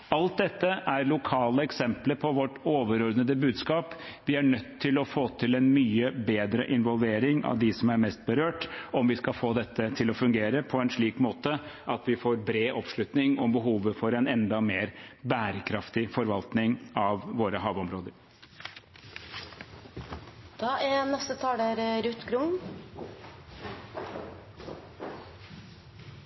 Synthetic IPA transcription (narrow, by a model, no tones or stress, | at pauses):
ɑlt̪̚d̪ɛt̪ːəʔæɾlʊkʰɑːləɛksɛmpləpʰɔʋɔʈːoːʋəɾɔɾd̪nəd̪əbʉːd̪skɑːp | ʋɪæɳœt̪ʰːɪlɔfoːt̪ʰɪlɛnmyːəbeːd̪ɾəʔɪnʋɔlʋeːɾɪŋɑ̰ʋd̪ɪsɔmæɾmɛst̪̚bəɾøːʈɔmʋɪskɑfoːd̪ɛt̪ʰːət̪ʰɪlɔfʉŋɡeːɾəpʰɔɛnʂɭiːkmoːt̪əʔɑt̪ʋɪfoːɾbɾeːʔɔpʂɭʉt̪nɪŋɔbəɦuːʋəfɔɾɛnɛnd̪ɑmeːɾbæːɾəkʰɾɑft̪ɪfɔɾʋɑlt̪nɪŋɑʋʋoːɾəɦɑːʋɔmɾoːd̪əɾ | d̪̥ɑːʔɛnɛst̪ət̪ʰɑːləɾɾʉt̪ɡɾʊŋ